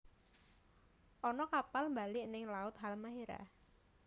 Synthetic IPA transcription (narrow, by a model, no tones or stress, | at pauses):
ʔɔnɔkapalmbalɪʔnɪŋlaʊt̪̚ɦalmaɦeɾa̰